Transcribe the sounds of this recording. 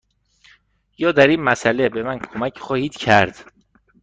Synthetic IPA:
jɒːd̪æɾiːnmæsælebe̞mænkʰomæcʰχɒːhiːd̪̥cʰæɾd̪̥

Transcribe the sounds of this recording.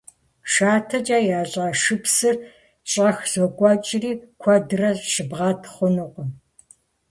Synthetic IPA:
ʃaːtʰɐt͡ʃʼaːjaːɕʼaːʂɨpsɨr | ɕʼɐxz̥okʷʼɔt͡ʃʼɪriːkʷʰɐdɨrɐɕɨbʁɑːtʰχʷʊnɨqʷɔ

